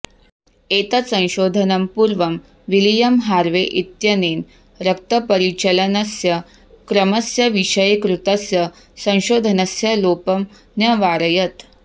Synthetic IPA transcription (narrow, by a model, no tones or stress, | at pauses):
et̪əsə̃w̃ɕod̪ʱənɐmpuɾʋɐm | ʋilijɐmɦaɾʋeʔit̪jɐneːn | ɾɐk̚t̪əpəɾit͡ɕələnɐsjɐ | kɾəmɐsjɐʋiɕəjekɾut̪əsjɐ | sɐ̃w̃ɕod̪ʱənɐsjɐlopɐm | njɐʋaɾəjət̪